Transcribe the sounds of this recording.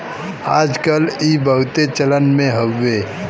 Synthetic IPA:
aːd͡ʒkəliːbəɦt̪et͡ʃələnmẽɦəwːe

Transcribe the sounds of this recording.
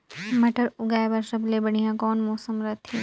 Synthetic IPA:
mɐʈəɾʊɡaːbɐɾsɐblebɐɽ̤ijãkɔːnmɔːsəmɾɐt̪ʰi

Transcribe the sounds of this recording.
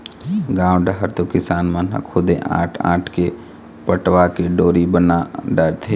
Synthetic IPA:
ɡãːwɖaɦəɾt̪okɪsaːnmanɦa̰kʰʊd̪ḛ̃ʔa̰ːʈʰa̰ːʈʰke | pəʈwakeɖoːɾibənaɖəːɾt̪ʰeː

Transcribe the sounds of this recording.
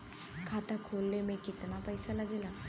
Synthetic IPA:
kʰat̪akʰolːemekit̪napəjsalaɡila

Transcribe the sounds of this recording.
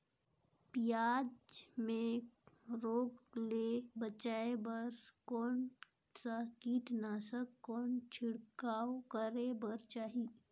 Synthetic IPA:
pjaːd͡ʒmẽ | ɾoːklebət͡ʃaːebɐɾkɔːn | sakiːʈnaːsəkːɔːnt͡ʃʰɪɽkaːokəɾebəɾt͡ʃaːɦiː

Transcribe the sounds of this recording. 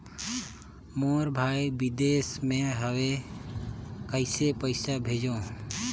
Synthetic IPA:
moːɾbʱaːjbɪd̪eːsmẽːɦəʋeː | kəɪseːpəɪsaːbʱeːd͡ʒõː

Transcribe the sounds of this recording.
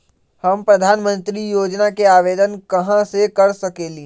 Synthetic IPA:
hɐmpɾɐd̪ʱaːnmə̃nt̪ɾijoːd͡ʒnakeaːʋeːd̪ənkɐɦãsekɐɾsɐkeːliː

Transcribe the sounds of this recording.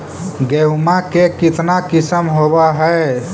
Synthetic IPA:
ɡewmakekit̪nakisəmɦobaɦəe

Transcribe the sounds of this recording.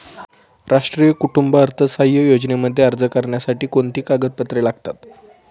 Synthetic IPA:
ɾaʂʈɾijəkuʈumbəəɾt̪ʰəsajəjod͡ʑneməd̪ʱːjeaɾd͡zəkəɾɳjasaʈiːkont̪iːkaɡəd̪̚pət̪ɾelaɡ̚t̪at̪

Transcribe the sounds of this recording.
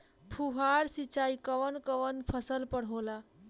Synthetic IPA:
pʰuɦaɾsit͡ʃaikəʋənkəʋənpʰəsəlpəɽɦola

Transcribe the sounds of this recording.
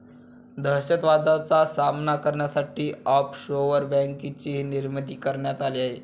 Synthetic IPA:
d̪ʱəɕət̪ʋad͡z̪at͡sasamnakəɾɳjasaʈiːɔpɕoʋəɾbæ̃ŋkit͡ɕiːniɾmət̪iːkəɾɳjat̪aliaɦe

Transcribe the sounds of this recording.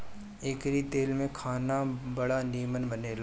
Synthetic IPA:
eːkɾit̪eːlmẽkʰaːnabɐɽaniːmənbəneːl

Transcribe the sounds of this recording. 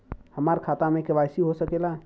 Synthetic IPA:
həmaɾkʰat̪amekəbajsiɦosəkela

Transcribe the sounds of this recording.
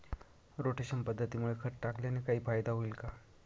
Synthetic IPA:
ɾoʈeɕənpəd̪ʱːət̪imuɭekʰəɾʈakljanekaɦiːfajd̪aɦoilka

